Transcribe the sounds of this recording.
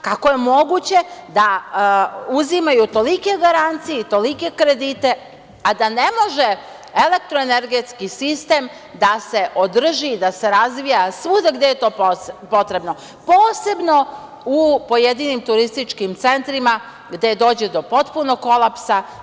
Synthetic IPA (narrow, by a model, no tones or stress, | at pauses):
kako̞jemo̞ɡut͡ɕe̞d̪a | uzimajut̪o̞like̞ɡaɾant̪sijeit̪o̞like̞kɾe̞d̪iːt̪e̞ | ad̪ane̞mo̞ʒe̞ | ele̞k̚t̪ɾoene̞ɾɡet̪skisist̪e̞ːm | d̪ase̞ʔod̪r̩ʒid̪ase̞ɾazʋijasʋud̪aɡd̪e̞jet̪o̞ːpopo̞t̪ɾe̞bno̞ | po̞ːse̞bno̞ | upo̞jed̪iːnimt̪uɾist̪it͡ʃkimt̪se̞nt̪ɾima | ɡd̪ed̪o̞ːd͡ʑed̪o̞po̞t̪puno̞kːo̞lˠapsa